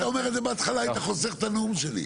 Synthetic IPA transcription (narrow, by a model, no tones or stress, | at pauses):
t̪aomeʁed̪zebeat̪χalaat̪aχoseʁt̪anumʃelḭ